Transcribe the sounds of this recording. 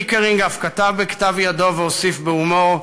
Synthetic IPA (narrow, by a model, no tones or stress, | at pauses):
keʁiŋɡafkat̪avbekḁt̪avjado̞veosifbeumoʁ